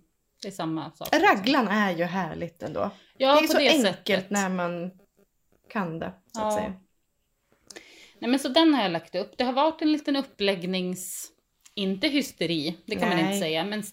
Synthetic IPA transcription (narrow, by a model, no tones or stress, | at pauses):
d̪̥ɛɛsamːasɑ̰ːɾaɡlanæjɵɦæːɭɪɡt̪ɛnd̪o̰ː | jɑːɔsɔd̪ɛɛsŋkəlt̪næɾman | kʰand̪ɛsat̪ːsɛ̰jːa̰ | nɛmɛnsɔd̪ɛnhaɾjalakt̪ɵpːd̪ɛɦaɾvaʈːɛnliːt̪ənɵpːlɛɡnɪŋs | ɪnt̪əɦʏst̪ɛɾiːd̪ɛkʰanmanɪnəsɛjːamɛn